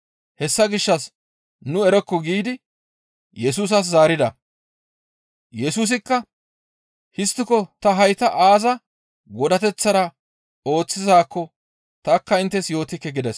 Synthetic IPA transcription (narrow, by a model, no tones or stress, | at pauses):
hɛsːɐɡɪʃːɐs | nʊɛɾɔkːɔɡiːd̪ɪ | jɛsuːs̬ɐs̬zaːɾɪd̪ɐ | jɛsuːs̬ɪkːɐ | hɪst̪ːɪkɔt̪ɐɦɐjt̪ɐʔaːzɐ | ɡɔd̪ɐt̪ɛt͡sːɐɾɐ | o̞ːt͡sːɪzaːkːɔ | t̪ɐkːɐɪnt̪ːɛsjo̞ːt̪ɪkːɛɡɪd̪ɛs